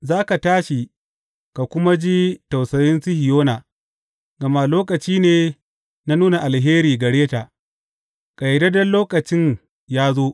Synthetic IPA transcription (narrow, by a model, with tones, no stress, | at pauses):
zaː˦ka˨taː˦ʃi˨ | ka˨kʷʊ˦ma˦d͡ʒi˦ta˨wsɐ˨jɪ˦nsi˦hɪ˨joː˦naː˨ | ɡɐ˨ma˦loː˦kɐ˨t͡ʃiː˦neː˨ | na˦nuː˦na˨ʔa˨lɦeː˦ɾiː˨ɡɐ˨ɽeː˦taː˨ | ka˨jɛ˨dɐ˦dɐ˦nloː˦kɐ˨t͡ʃɪ˦ɲ | jaː˦zoː˦